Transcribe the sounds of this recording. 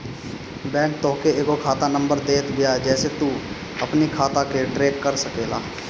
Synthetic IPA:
bɛ̃ːk̚t̪oɦkeeːɡokʰaːt̪anə̃mbəɾd̪eːt̪ʰbɪjad͡ʒɛːset̪u | ɐpnikʰaːt̪akeʈɾeːkːəɾsəkeːla̰ː

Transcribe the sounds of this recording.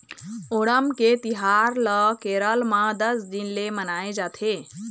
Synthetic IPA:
oɽəmket̪iɦaɾləkeɾəlmãd̪əsd̪inlemənaed͡ʒat̪ʰe

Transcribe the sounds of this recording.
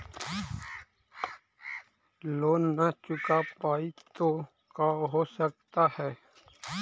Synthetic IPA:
loːnːat͡ʃʊkapaːit̪o | kaːɦosək̚t̪ahɛː

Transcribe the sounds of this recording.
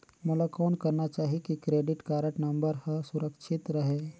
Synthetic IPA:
mʊlakoːnkəɾnat͡ʃaːɦikikɾeːɖɪʈkaːɾəʈnɐ̃mbəɾhəsʊɾəkʃʰɪt̪ɾəɦeː

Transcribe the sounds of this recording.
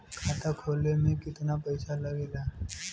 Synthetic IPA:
kʰaːt̪ʰakʰoːlemẽkɪt̪napɛɪsalɐɡeːlaː

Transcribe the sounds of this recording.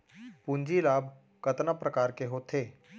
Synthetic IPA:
pund͡ʒilaːbʱ | kət̪napɾəkaːɾkeɦot̪ʰeː

